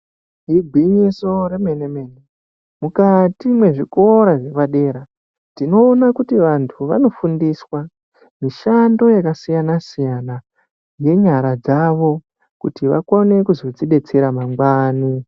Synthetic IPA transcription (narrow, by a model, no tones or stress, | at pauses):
ɦibʱiɲisoɾemene̞me̞ːne | mukatimwe̞ʐiko̞ɾaʐeʋaɗe̞ːɾa | tino̞ːnakutiʋantʰuʋa̰no̞fundiswa | miʃando̞jakasijanasijana | je̞ɲaɾad͡zaʋo̞ | kutiʋa̰kone̞kuzo̞d͡ziɗe̞t͡seɾamaŋɡwani